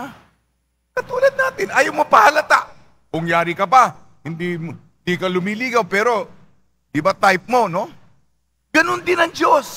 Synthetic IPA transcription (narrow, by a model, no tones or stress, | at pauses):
a | kɐt̪uːlɐd̪̚naːt̪ɪnʔajowmopɐhɐlɐt̪aʔ | kʊŋjaːɾɪkɐpɐ | hɪnd̪im | d̪ikɐlʊmiːliːɡɐwpɛːɾo̞ | d̪ɪbɐt̪ajp̚mo̞no̞ | ɡ̥ɐnond̪ɪnɐŋd͡ʒos